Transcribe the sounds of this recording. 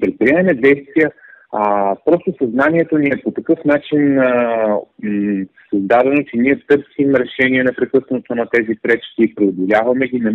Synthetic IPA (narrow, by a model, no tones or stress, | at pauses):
pɾɛt̪̚pɾiɛmɛmɛd̪ɛjst̪viə | pɾɔst̪osɐznanʲiɛt̪onʲiɛpot̪ɐkɤfnat͡ʃin | sɐzd̪ad̪ɛnot͡ʃɛniɛt̪ɤɾsimɾɛʃɛniɛnɛpɾɛkɤsnot̪onɐt̪ɛzipɾɛt͡ʃkʲiːpɾɛod̪olʲavɐmɛɡinɐ